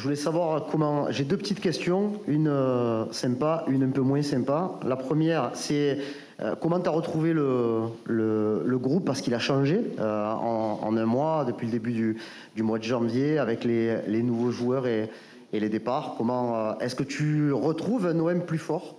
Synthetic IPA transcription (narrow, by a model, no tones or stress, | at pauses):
ʒəvulɛsavwaʁkʰɔmɑ̃ʒed̪øpət̪it̪kʲɛst̪jɔ̃ynøsɛ̃paʔynɛ̃pømwɛ̃sɛ̃mpalapχəmjɛʁsɛ | ø̰kɔmɑ̃t̪yaʁət̪χuvelələləɡʁupːaʁsəkilaʃɑ̃ʒeøɑ̰̃ɑ̰̃nɛ̃mwad̪əpɥiləd̪ebyd̪y | d̪ymwad̪əʒɑ̃vjeavɛklelenuvoʒuœʁe | eled̪epaʁkɔmɑ̃øɛskət̪ʰyʁət̪χuvɛ̃noɛmplyfɔʁ